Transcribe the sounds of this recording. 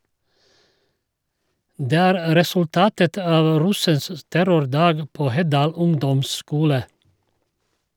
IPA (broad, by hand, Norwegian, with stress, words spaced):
ˈdeː ˈæːɾ ɾɛsʉlˈtɑːtət ˈɑːʋ ˈɾʉsəns ə ˈtæɾʊɾˌdɑːɡ ˈpoː ˈhɛˌdɑːl ˈʊŋdɔmˌskuːlə